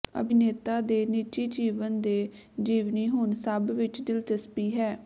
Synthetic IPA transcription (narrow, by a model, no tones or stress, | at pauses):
ə̰bɪneːt̪aːd̪eːniːt͡ʃiːd͡ʒiːʋənd̪eːd͡ʒiːʋniːɦʊnsəbʋɪt͡ʃd̪ɪlt̪əspiːɦɛː